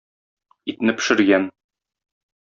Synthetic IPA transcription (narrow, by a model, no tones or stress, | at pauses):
it̪nɘpɘ̥̆ʃɘ̆ɾɡæn